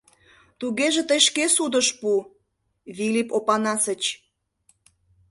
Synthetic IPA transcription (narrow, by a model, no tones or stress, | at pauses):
t̪uɣeʒĕt̪əjʃkesud̪əʃpu | βilʲipopɑnɑsət͡ɕ